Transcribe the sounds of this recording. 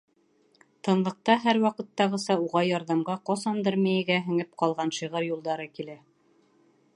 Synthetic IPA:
t̪ɤ̆nlˠɤ̆q̚t̪ɑɦæɾwɑqɤ̆t̪ːɑʁɤ̆sɑuʁɑjɑɾðɑmʁɑqɑsɑnd̪ɤɾmæjɘ̆ɡæɦɘ̆ŋɘp̚qɑlˠʁɑnʃiʁɤɾjulˠd̪ɑɾɤkilæ

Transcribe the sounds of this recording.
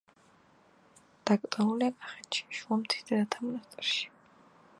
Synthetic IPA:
d̪̥akʼt̪ʼɔnuliapʰʼḁχɛnʃi̥ʃuamt̪ʰi̥d̪ɛɾat̪ʰamnast̪ʼɛɾʃi̥

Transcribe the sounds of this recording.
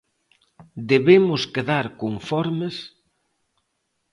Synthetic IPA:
d̪eβemʊskeðaɾkoɱfɔɾmes

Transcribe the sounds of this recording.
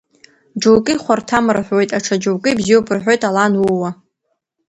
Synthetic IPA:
d͡ʒowkʼɨχʷartʰamɨrħʷwo̞jtʼaʈ͡ʂʰad͡ʒowkʼɨbzijwopʰɨrħʷᶣojtʼalanwuwa

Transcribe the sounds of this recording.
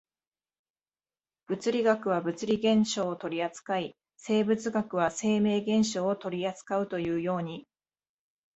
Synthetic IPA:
b̥ɯ̟t͡sɨɾʲiɡakɯ̟β̞abɯ̟t͡sɨɾʲiɡẽ̞ɰ̃ɕo̞ːt̪o̞ɾʲiat͡sɨ̥kai | se̞ːbɯ̟t͡sɨɡakɯ̟βase̞ːme̞ːɡẽ̞ɰ̃ɕo̞ːt̪o̞ɾʲiat͡sɨ̥kaɯ̟t̪o̞jɯ̟ːjo̞ːɲ̟i

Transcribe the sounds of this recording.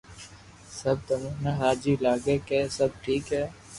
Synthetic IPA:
səb̚t̪əmũːnaɦaːd͡ʒiːlaːɡeːkeːsəb̚ʈʰiːkɦɛː

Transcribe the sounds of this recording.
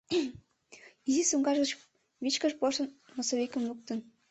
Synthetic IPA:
izisuŋɡɑʒɣə̆t͡ɕ | βit͡ɕkə̆ʃpɑʃə̆nmosoβekə̆mluk̚t̪ə̆n

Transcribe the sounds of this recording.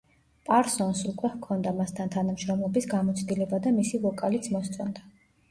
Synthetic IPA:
pʼaɾsɔnsukʼwɛvkʰɔnd̪amast̪ʰant̪ʰanamʃɾɔmlˠɔbisɡamɔt̪sʰd̪ilɛbad̪amisilɔkʼalit̪sʰmɔst̪sʼɔnd̪a

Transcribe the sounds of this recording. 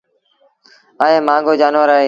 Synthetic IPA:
aːẽːmãːŋɡʱoːd͡ʒaːnʋəːɾaːɦeː

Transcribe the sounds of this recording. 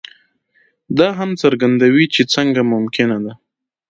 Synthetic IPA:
d̪ɑɦamt͡səɾɡand̪awit͡ʃet͡səŋɡamʊmkɪnad̪a

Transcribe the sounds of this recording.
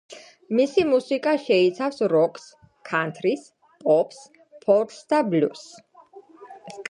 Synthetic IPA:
misimusikʼaʃɛit̪sʰafsɾɔkʰʼs | kʰant̪ʰɾis | pʼɔpʰs | pʰɔɾt̪sd̪ablṵs

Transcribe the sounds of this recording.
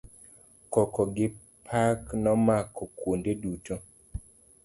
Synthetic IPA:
kɔkɔɡɪ | pʰaknɔmakɔkwondeduto

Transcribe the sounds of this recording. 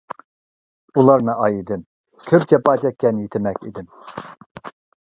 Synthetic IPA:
ulˠɑɾnɨʔɑjid̪ɪm | kʲʰøp̚t͡ʃʰɑpɑːt͡ʃ̪ʰʲɛkʲːɛnjit̪ʰɪmɛkʲḭd̪ɪm

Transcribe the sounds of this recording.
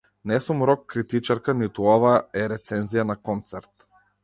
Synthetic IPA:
nɛsumɾɔkːɾit̪it͡ʃaɾkanit̪uɔvaɛɾɛt̪sɛnzijanakɔnt̪sɛɾt̪

